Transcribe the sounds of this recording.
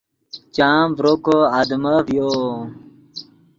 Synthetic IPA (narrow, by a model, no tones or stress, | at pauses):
t͡ɕaːmbɾokoad̪məvjo